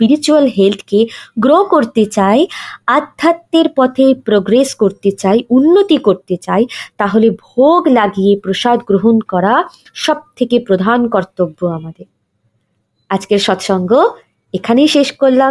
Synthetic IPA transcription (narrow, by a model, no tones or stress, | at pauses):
spiɾit͡ɕualɦelt̪ʰkeɡɾokoɾt̪et͡ɕaead̪ʱːat̪ːeɾpɔt̪ʰepɾoɡɾeskoɾt̪et͡ɕaeunːot̪ikoɾt̪et͡ɕaet̪aɦolebʱoɡlaɡijepɾoʃad̪ɡɾoɦonkɔɾa | ʃɔb̚t̪ʰekepɾod̪ʱankɔɾt̪obːoamad̪eɾ | ad͡ʑkeɾʃɔt̪ʃɔŋɡo | ekʰanejʃeʃkoɾla